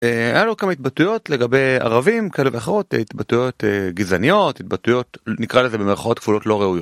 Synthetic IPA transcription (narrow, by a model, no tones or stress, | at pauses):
eajalokamait̪̚batujo̞tle̞ɡabe̞ja̰ʁavimkaeleveaχeʁo̞tḛit̪batujo̞t̪eɡizanijo̞tit̪̚batujo̞tnikʁaleze̞bemeʁχao̞t̪kvulo̞tlo̞ʁeujot